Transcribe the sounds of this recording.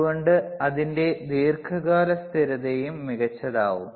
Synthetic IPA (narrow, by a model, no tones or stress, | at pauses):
ɣoɳɖɨɐðinde̞d̪iːrkʰɐɣaːɾɐst̪ʰiɾɐðejumːiɣɐt͡ɕːɐða̰ːʋum